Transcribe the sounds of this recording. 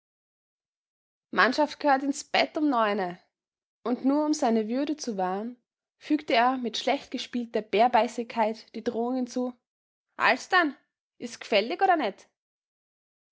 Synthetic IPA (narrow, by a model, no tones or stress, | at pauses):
manʃaft̚ɡ̥əhøːɐtɪnsb̥ɛtʊmnɔʏnə | ʔʊntnuːɐʊmzaɪnəvʏɐɾət͡suvaɐn | fyːktəeːɐmɪtʃlɛçtɡ̥əʃpiːltɐb̥eːɐbaɪsɪçkʰaɪtd̥iːdʁoːʊŋhɪnt͡suː | ʔa̰lsd̥an | ʔɪstkfɛlɪçʔoːɾɐnɛt